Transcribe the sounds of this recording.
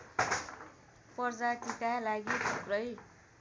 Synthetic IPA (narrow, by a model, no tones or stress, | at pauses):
pʌrd͡zaʈit̪alaɡit̪ʰʌprʌj